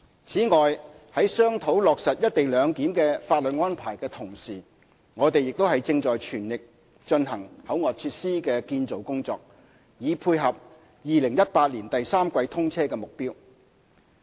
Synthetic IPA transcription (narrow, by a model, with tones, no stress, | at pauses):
t͡sʰiː˨˥ŋɔː˨jhɐ˨˥jsœː˥ŋt̪ʰo˨˥wlɔː˨k̚sɐ˨t̚jɐ˥t̪̚e˨jlœː˨˧ŋkiː˨˥mkɛː˧faː˧t̚lɵ˨t̚ŋɔː˥npʰaː˨˩jkɛː˧t̪ʰʊ˨˩ŋsiː˨˩ | ŋɔː˨˧t̪e˨jɪ˨k̚t̪o˥hɐ˨jt͡sɪ˧ŋt͡sɔː˨jt͡ʃʰyː˨˩nlɪ˨k̚ | t͡ʃɵ˧nɦɐ˨˩ŋhɐ˨˥wŋɔː˨t͡sʰyː˧t̚siː˥kɛː˧kiː˧nt͡so˨wkʊ˥ŋt͡sɔː˧k̚ | jiː˨˧pʰuː˧jɦɐ˨p̚ | jiː˨lɪ˨˩ŋjɐ˥t̚paː˧t̚liː˨˩nt̪ɐ˨jsaː˥mkʷɐ˧jt̪ʰʊ˥ŋt͡sʰɛː˥kɛː˧mʊ˨k̚piː˥w